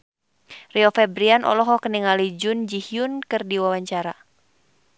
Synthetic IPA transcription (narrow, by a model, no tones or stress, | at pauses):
riɔfɛbɾianʔɔ̰lɔɦɔkəniŋalid͡ʒʊnd͡ʒihiunkɨrdiwawaɲt͡ʃaɾa